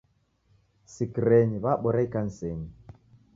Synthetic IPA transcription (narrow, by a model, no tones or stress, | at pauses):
sikiɾɛɲiβaɓɔɾaikan̩sɛɲi